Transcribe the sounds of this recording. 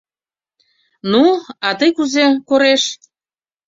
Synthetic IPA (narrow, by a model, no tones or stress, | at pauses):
nuɑt̪əjkuzekoɾeʃ